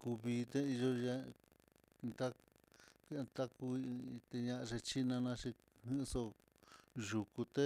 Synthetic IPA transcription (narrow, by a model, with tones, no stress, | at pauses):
ku˧βi˧t̪e˦i˧ʒo˧je˧ | nd̪a˦ | ke˧nt̪a˦ku˧t̪e˧ɲã˧ʔa˧ʐe˧t͡ʃi˦nã˧nã˧ʂi˧ | hĩ˦˧so˧ | ʒu˨ku˧t̪e˦